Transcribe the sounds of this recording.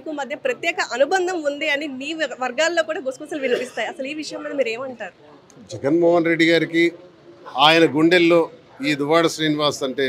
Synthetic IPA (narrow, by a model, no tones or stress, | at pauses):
ikumɐd̪ʱjɐpɾɐt̪jɛːkɐʔɐnubɐnd̪ʱɐmund̪iɐnimiːʋɐɾɡaːlːo̞ːkuːɽaːɡusɡusɐlʋinɐpist̪aːjiɐsɐliːʋiʂɐjɐmːiːd̪ɐmiːɾe̞ːmɐɳʈaːɾu | d͡ʒɛɡɐnmoːɦɐnɾe̞ɖːiɡaːɾiki | aːjɐnɐɡuɳɖelːo̞ː | iːd̪uʋaːɽɐsɾiːniʋaːsɐɳʈe̞ː